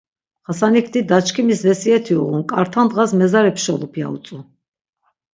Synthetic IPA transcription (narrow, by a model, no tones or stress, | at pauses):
ʁasanikʰd̪id̪at͡ʃʰkʰimisvɛsiɛt̪ʰiuʁunkʼaɾt̪ʰand̪ʁasmɛzaɾɛpʰʃɔlˠupʰia̰ṵt̪sʼu